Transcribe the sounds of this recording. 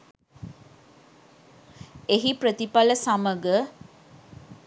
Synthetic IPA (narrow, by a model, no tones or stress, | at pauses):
eɦipɾət̪ipaləsaməɡə